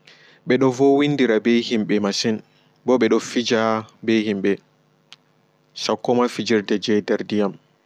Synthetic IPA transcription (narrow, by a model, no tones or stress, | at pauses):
ɓɛɗɔvɔwindiɾabejhimɓɛmasɛn | bɔɓɛɗɔfid͡ʒabehimɓɛ | sakːɔmafid͡ʒiɾdɛd͡ʒɛjdɛɾdijam